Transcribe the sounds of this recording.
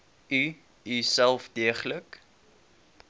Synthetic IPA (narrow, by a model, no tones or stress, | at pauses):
y | isælˠfdiəχlək